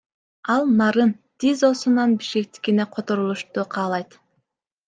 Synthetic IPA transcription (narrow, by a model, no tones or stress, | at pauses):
ɑlˠnɑɾɯnt̪izo̞sunɑnbiʃke̞k̚t̪i̥kineqʰo̞t̪o̞ɾulˠuʃt̪uqʰɑːlˠɑjt̪